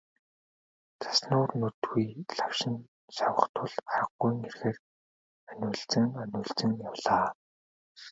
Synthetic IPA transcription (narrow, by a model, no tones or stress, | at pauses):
t͡sʰḁsnʊːrnɵt̪ɣujɮawʃɪ̆n | ʃawə̆χt̪ʰʊɮaɾə̆qːujŋerxeːr | ænʲʊːɮt͡sɘ̆ŋanʲʊːɮt͡sɘ̆ŋjawɮaː